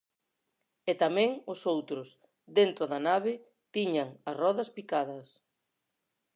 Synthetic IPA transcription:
ɛt̪amɛ̃ŋʊsowt̪ɾʊs | d̪ent̪ɾʊðɐnaβɪ | t̪iɲɐŋɐsrɔðɐspikaðɐs

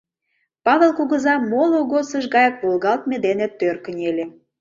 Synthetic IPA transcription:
pɑβelkuɣə̆zɑmoloɣosə̆ʃɣɑjək̚βolɣɑlˠt̪̚med̪enet̪ːørkənʲelʲe

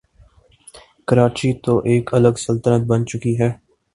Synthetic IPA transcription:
kəɾaːt͡ʃit̪oʔeːkələɡsəlt̪ənət̪̚bənt͡ʃʊkiɦɛː

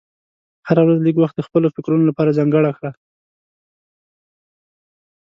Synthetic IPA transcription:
haɾawɾazliɡwaxt̪̚d̪əxpəlofɪkɾunolapɑɾazaŋɡəɽaxɽa

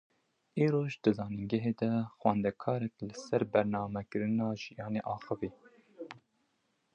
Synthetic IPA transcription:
iːɾoːʒd̪ɨzɑːnɨŋɡɛɦeːd̪ɛxwɛnd̪ɛkʰɑːɾɛklɨsɛɾbɛɾnɑːmɛkɨɾɨnɑːʒijɑːneʔɑːxɨviː

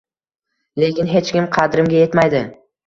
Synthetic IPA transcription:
le̞kʲɪnɦe̞t͡ʃkʲɪmqʰɑd̪ɾɪmɡʲaje̞t̪majd̪ɪ

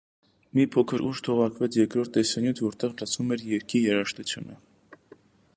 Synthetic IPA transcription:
mipʰɔkʰəɾuʒt̪ʰɔʁɑkʰvɛt͡sʰjɛɾkɾɔɾt̪ːɛsɑnjut̪ʰvɔɾt̪ɛʁlət͡sʰnumɛɾjɛɾkʰijɛɾɑʃt̪ut͡sʰjṵnə̰

